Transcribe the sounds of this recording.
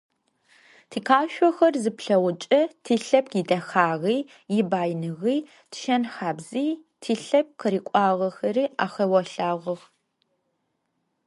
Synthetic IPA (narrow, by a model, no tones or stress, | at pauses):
tʰiːqʰaːʃʷɔxɐrzɨpɬɐwʊt͡ʃʼɐtʰiːɬɐp̚ɡidɐxaːʁiː | jɪbaːjnɨʁiː | tʃɐnxaːbziːtʰiːɬɐp̚qʰəɾiːkʷʼaːʁɐxɐɾiːʔa̰ːxɐwɐɬaːʁɐʁ